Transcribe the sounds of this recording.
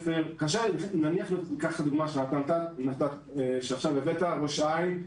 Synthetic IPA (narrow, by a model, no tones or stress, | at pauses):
feʁkaʃananiaχlotkaχad̪uɡmaʃelat̪ant̪anat̪at | ʃeaχʃavevet̪aʁoʃajn